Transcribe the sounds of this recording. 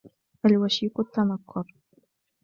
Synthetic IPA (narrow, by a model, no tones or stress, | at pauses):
ʔalwaʃiːqʊt̪ːamakʰːʊɾˤ